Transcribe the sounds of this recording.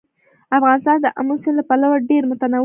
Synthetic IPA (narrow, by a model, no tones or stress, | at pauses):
afɣɑnɪst̪ɑnd̪əʔamusenlapalawaɖeɾmʊt̪anaw